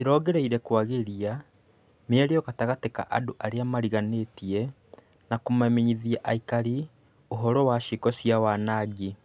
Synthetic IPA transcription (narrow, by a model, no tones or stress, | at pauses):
eɾɔːɣɛɾeiɾɛkwaɣeɾia | meɛɾeɔɣataɣateka̰ʔadoʔaɾeamaɾiɣanetiɛ | nakomamiɲiðiaʔaikaɾi | oɦɔɾɔwaʃikɔsiawanaɡi